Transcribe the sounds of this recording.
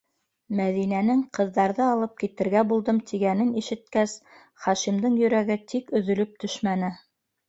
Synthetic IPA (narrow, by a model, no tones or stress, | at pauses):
mæðinænɘŋqɤ̆ðːɑɾðɤɑlˠɤp̚kit̪ɘ̆ɾɡæbulˠd̪ɤmt̪ʰiɡænɘniʃɘ̆t̪̚kæs | χɑʃimd̪ɤɴjɵ̆ɾæɡɘt̪ʰikɵ̆ðɵ̆lɵp̚t̪ɵʃmænɘ